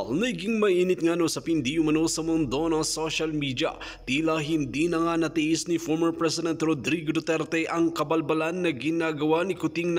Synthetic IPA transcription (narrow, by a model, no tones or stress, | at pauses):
lnɐjɡiŋmɐinit̪̚ŋanosɐpind̪iumɐnosɐmond̪onɐsoʃɐlmiːd̪ia̰ | t̪ilaɦind̪inɐŋanɐt̪iisnifoɾməɾpɾɛsɪd̪ɛnt̪ɾod̪ɾiɡd̪ot̪ɛɾt̪eʔɐŋkɐbɐlbɐlɐnːɐɡinaɡɐwanikut̪iŋn